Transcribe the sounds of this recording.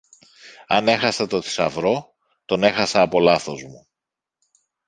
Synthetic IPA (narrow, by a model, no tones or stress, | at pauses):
ɐne̞xɐsɐt̪o̞θi̥sɐ̰vɾo̞ | t̪o̞ne̞xɐsɐːpo̞lɐθo̞zmu